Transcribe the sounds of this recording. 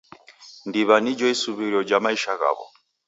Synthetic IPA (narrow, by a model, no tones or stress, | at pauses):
ndiβanid͡ʒɔisuβiɾiɔd͡ʒamaiʃaɣa̰βɔ̰